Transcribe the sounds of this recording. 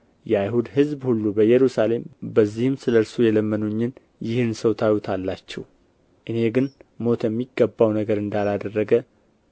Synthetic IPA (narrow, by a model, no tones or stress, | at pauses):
jɛajɦud̪hɨzbhulːubəjɛɾusale̞mbəzːihɨmsɨləɾsujɛləmːənuɲːɨn | jɪhɨnsəwt̪ʰajwut̪ʰalːat͡ʃːɛw | ʔɨne̞ɡɨnmo̞t̪ʰjɛmːiɡːəbːawnəɡəɾɨnd̪alad̪ərːəɡə